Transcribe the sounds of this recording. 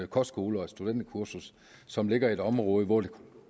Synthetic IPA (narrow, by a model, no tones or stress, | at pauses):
kʰɒsɡ̥o̝ːləɒsd̥ud̥en̰d̥kʰuɐsus | sɒ̽mle̝ɡ̥ɐie̝ɾ̥ɒ̽mʁɔ̽ːð̩ˠiʋɔd̥ekʰu